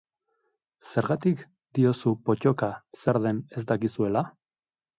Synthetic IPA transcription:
se̞ɾɣat̪ik | d̪̥io̞supo̞t͡ʃo̞kase̞ɾðe̞ne̞zd̪akisue̞la

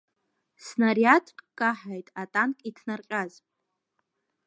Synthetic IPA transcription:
snariatʰʼpʼkʼːaħajtʼatʼankʼitʰnarqʲʼaz

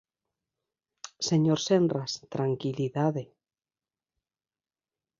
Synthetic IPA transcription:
seɲoɾsendrast̪ɾaŋkiliðaðe

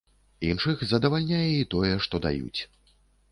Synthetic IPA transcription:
inʂɨxzɐd̪ɐvalʲnʲajɛit̪ɔjɛʂt̪ɔd̪a̰jṵt͡sʲ

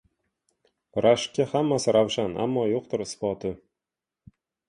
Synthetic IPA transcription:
ɾaʃkʲːahamːasɪɾawʃanʔa̰mːɒjoq̚t̪ɪɾɪsbɒt̪ʰɪ

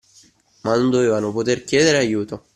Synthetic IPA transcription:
manːond̪oveːvanopot̪erkjɛːd̪eɾeajːuːt̪o

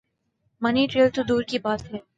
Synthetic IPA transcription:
mɐniʈɾeːəlt̪od̪uːɾkibaːt̪ɦe

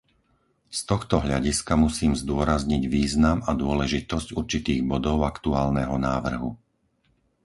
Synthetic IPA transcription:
st̪ɔxt̪ɔɦʎa̰ɟiskamusiːmzd̪ʊɔɾazɲiɟʋiːznamad̪ʊɔlɛʒit̪ɔscuɾt͡ʃit̪iːɣbɔd̪ɔʊakt̪uaːlnɛɦɔnaːʋr̩ɦṵ

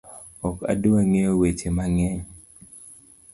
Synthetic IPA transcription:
ɔka̰duaŋeowet͡ʃemaŋɛɲ

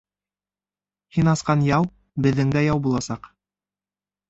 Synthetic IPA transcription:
hinɑsqɑnjɑw | bɘ̆ðːɘ̆ŋɡ̪æjɑwbulˠɑsɑq

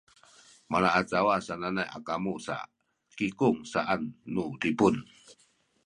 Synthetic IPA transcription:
malaʔat͡sawasananaja̰kamusa̰ | kikuŋsaʔanːutipun

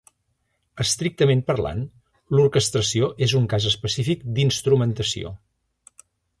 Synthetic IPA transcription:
əst̪ɾik̚t̪əmempəɾla̰n | lurkəst̪ɾəsioʔezuŋkazəspəsifikd̪inst̪ɾumənt̪əsḭo̰

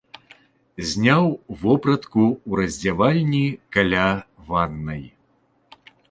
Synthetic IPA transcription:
zʲnʲawvɔpɾɐt̪kuwɾɐzʲd͡zʲavalʲnʲikalʲa | vanːɐj

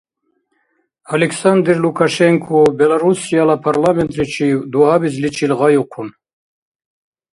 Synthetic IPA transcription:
aliksand̪iɾlukaʃeŋkʰobelaɾusijalapʰaɾlament̪ɾit͡ʃʰid̪uhabizlit͡ʃilɣajuqʰun

